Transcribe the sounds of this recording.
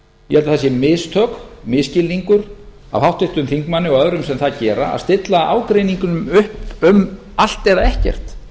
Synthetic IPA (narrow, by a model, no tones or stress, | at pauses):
jɛ̰hɛlaθasjɛmɪst̪ʰœkmɪscɪlːiŋkʏɾ̥ | a̰vhawht̪ɪht̪ʏmθiŋkmanːɪɔɣœðɾʏmsɛmθaðcɛːɾaa̰ðst̪ɪt̪laʔa̰ːwkɾejniŋkʏnʏmʏhpʏm | al̥t̪ɛðaɛhcɛ̰r̥t̪